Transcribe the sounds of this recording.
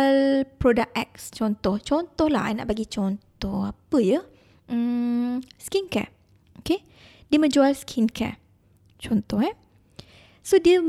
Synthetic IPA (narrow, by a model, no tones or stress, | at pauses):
lpɾodak̚ɛk̚st͡ʃɔnt̪ɔht͡ʃɔnt̪ɔhla̰hana̰ʔbaɡit͡ʃɔnt̪ɔhapəjə | ə | skinka̰ | oke | diəmə̃d͡ʒualskʰinkʰa̰ | t͡ʃɔnt̪ɔɦɛ | sodiə